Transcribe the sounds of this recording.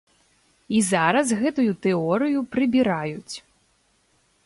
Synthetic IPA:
izaɾɐsɣɛt̪ujut̪ɛɔɾɨjupɾɨbʲiɾajut͡sʲ

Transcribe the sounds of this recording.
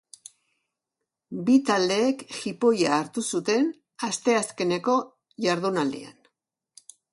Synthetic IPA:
bit̪ald̪e̞ːkxipo̞jaːɾt̪usut̪e̞n | ast̪e̞aske̞ne̞ko̞ | ʝaɾðunald̪ḭa̰n

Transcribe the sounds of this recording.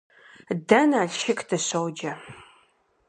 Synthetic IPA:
dɐnaːɬʃɪkʰdʰɐɕɐwd͡ʒɐ

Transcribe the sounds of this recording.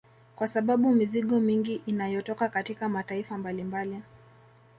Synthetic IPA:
kwasaɓaɓumiziɠɔmiŋɡiʔinajɔtɔkakatikamataifambalimbali

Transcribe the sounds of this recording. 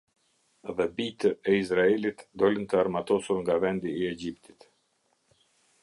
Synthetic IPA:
ðɛbit̪əɛizɾaɛlit̪d̪ɔlənt̪əaɾmat̪ɔsuɾŋɡavɛnd̪iːɛd͡ʑipt̪i̥t̪

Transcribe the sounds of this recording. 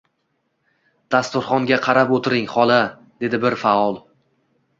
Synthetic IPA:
d̪̥ast̪ʊɾχɒŋɡʲaqʰɑɾapot̪ʰɪɾɪŋχɒlˠa | d̪̥e̞d̪ɪbɪɾfaɒlˠ

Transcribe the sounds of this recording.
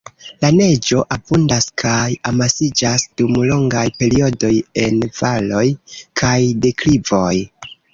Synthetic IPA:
lane̞d͡ʒo̞ʔabundaskʰajamasid͡ʒasd̥umlo̞ŋɡajpe̞ɾio̞do̞je̞nvalo̞jkʰajde̞klivo̞j

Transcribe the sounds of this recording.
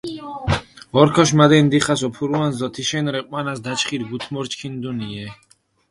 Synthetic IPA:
ɔɾkʰɔʃmad̪ɛnd̪iχasɔpʰuɾuwanzd̪ɔt̪ʰiʃɛnɾɛqʼwanasd̪at͡ʃχiɾɡut̪ʰmɔɾt͡ʃʰkʰind̪uniɛ

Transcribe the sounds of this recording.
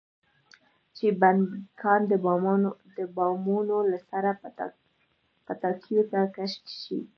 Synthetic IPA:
t͡ʃebankʰɑnd̪əbd̪əbɑmunolasaɾa | pət̪ɑkʰjot̪akaʃtʃḭ

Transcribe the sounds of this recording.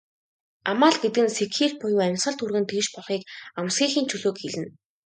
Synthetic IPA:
amaːɮɡet̪̚kɘ̆nsekxiːɮpʊjuːæmʲsχə̆ɮt̪urɣɘ̆nt̪ʰeʃpɔɮχiːkamsxʲiːŋxiːnt͡ɕʰɵɮoːkxeɮɘ̆n

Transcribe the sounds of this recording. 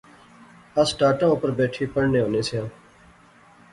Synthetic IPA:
əsʈaːʈãːopəɾbeːʈʰiːpəɽnẽːɦõːnẽːsʰejãː

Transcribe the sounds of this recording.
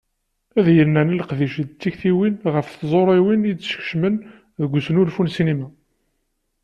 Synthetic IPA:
æðjəlnæniləqðiʃd̪t͡sːiçθiwinʁəfθzˤoɾˤiwinidʃə̥ç̥ʃmən | ðəɡʷːsnulfunsinimæ

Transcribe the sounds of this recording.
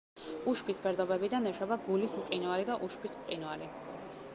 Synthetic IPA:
uʃpʰisbɛɾd̪ɔbɛbid̪anɛʃwɛbaɡulismqʼinualid̪aʔuʃpʰismqʼinuali

